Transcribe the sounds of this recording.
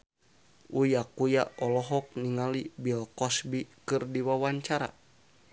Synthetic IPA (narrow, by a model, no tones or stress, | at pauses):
ujakujaɔlɔɦɔk̚niŋalibilkɔsbikɨrdiwawaɲt͡ʃaɾa̰